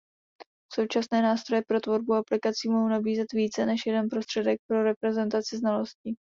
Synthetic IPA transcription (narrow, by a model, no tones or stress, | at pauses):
so̞wt͡ʃasnɛːnaːst̪ɾojɛpɾo̞t̪vo̞ɾbuaplɪkat͡siːmoɦownabiːzɛt̪viːt͡sɛnɛʃjɛdɛnpɾo̞st̪r̝̥ɛdɛk̚pɾo̞ɾɛpɾɛzɛnt̪at͡sɪznalo̞scɪ